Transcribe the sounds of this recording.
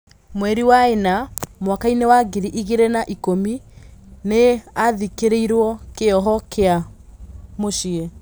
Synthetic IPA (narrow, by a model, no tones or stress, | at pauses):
mwɛɾiwaenamwakainewaɡiɾiʔiɣeɾenaʔikomi | neaðikeɾeiɾwɔkeɔɦɔkea | moʃie